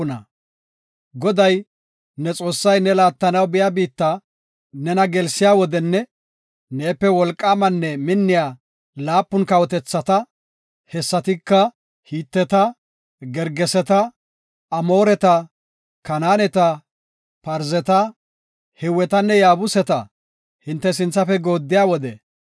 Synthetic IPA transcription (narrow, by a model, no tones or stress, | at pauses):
ʊnɐ | ɡɔd̪ɐj | nɛt͡sʼo̞ːsːɐjnɛlaːt̪ːɐnɐwbɪjabiːt̪ːɐ | nɛnɐɡɛlsɪjaːwɔd̪ɛnːɛ | neːpːɛwɔlkʼːaːmɐnːɛmɪnːɪjaː | laːpːʊnkɐwɔt̪ɛt͡sːɐt̪ɐ | hɛsːɐt̪ɪkːɐ | hiːt̪ːɛt̪ɐ | ɡɛɾɡɛsɛt̪ɐ | ɐmo̞ːɾɛt̪ɐ | kɐnaːnɛt̪ɐ | pɐɾzɛt̪ɐ | hɛwːɛt̪ɐnːɛjaːbʊsɛt̪ɐ̰ | hɪnt̪ːɛsɪnt͡sːɐfɛɡo̞ːd̪ːɪjaːwɔd̪ɛ